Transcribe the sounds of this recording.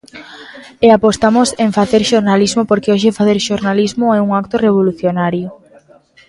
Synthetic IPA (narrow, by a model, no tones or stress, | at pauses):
eapost̪amʊseɱfaθeɾʃoɾnalizmopoɾkeoʃ̬efaθeɾʃoɾnalizmʊɛuŋak̚t̪ʊreβ̞oluθjonaɾjʊ